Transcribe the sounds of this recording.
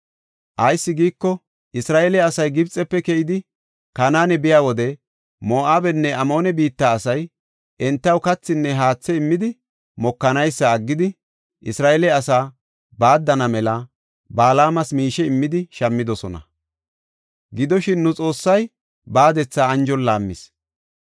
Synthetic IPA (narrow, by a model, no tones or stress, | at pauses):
ʔɐjsːɪɡiːkːɔ | ʔɪsɾaːʔelɛɐsɐjɡɪbt͡sʼɛpːɛkɛʔɪd̪ɪ | kɐnaːnɛbɪjaːwɔd̪ɛ | mo̞ːʔaːbɛnːɛʔɐmo̞ːnɛbiːt̪ːaːsɐj | ʔɛnt̪ːɐwkɐt͡sːɪnːɛɦaːt͡sːɛɪmːɪd̪ɪ | mɔkːɐnɐjsːɐːɡːɪd̪ɪ | ʔɪsɾaːʔelɛɐsaː | baːd̪ːɐnɐmɛlɐ | baːlaːmɐsmiːʃɛɪmːɪd̪ɪʃɐmːɪd̪ɔsɔnɐ̰ | ɡɪd̪ɔʃɪnːʊt͡sʼo̞ːsːɐj | baːd̪ɛt͡sːaːnd͡ʒɔnlaːmːɪs